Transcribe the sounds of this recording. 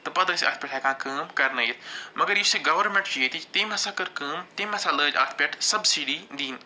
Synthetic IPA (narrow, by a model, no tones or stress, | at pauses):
t̪ɐpɐd̪əsɐ̰ːt̪ʰpʲɛʈʰaːkʰãːkəːmkɐɾnɐit̪ʰmɐɡəɾjiseɡɐʋəɾmẽɳʈt͡ʃet̪it̪emɐsakəɾkəːmt̪emɐ̃sãləːd͡ʒa̰ːt̪ʰpʲeʈʰsɐbsiːɖid̪iːn